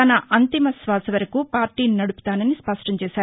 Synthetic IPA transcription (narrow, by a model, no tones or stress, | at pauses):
ɐnɐʔɐnt̪imɐsʋaːsɐʋɐɾɐkupaːɾʈiːninɐɽupu̥t̪aːnɐnispɐʂʈɐɲt͡ʃɛːʃaːɾu